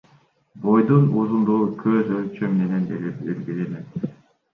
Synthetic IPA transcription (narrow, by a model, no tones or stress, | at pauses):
bojd̪unuzund̪uʁukʰøzølʲt͡ʃømmenenelelɡilelet̪